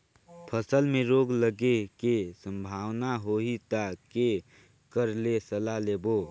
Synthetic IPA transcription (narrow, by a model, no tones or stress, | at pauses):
pʰəsəlmẽɾoːɡləɡekesə̃mbʱaːwnaɦoit̪ake | kəɾlesəlaleːboː